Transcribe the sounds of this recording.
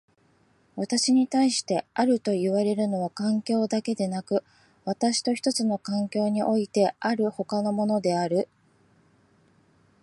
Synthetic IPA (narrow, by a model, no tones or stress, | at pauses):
βat̪aɕiɲ̟it̪aiɕi̥t̪e̞aɾɯ̟t̪o̞iβaɾe̞ɾɯ̟no̞β̞akãŋkʲo̞ːd̪ake̞d̪e̞nakɯ̟ | βat̪aɕi̥t̪o̞çi̥t̪o̞t͡sɨno̞kãŋkʲo̞ːɲ̟iʔo̞it̪e̞ʔaɾɯ̟ho̞kano̞mo̞no̞d̪e̞aɾɯ̟